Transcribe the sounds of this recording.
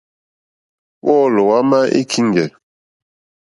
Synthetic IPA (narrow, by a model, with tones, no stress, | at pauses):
wɔ˦˨lɔ˨wa˦ma˦ʔḭ˦kʰi˦ŋ˦ɡɛ˨